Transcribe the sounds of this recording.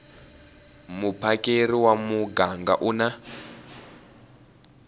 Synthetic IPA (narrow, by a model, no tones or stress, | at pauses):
mupʰakʼeriwamuɡaŋɡa̰ʔuna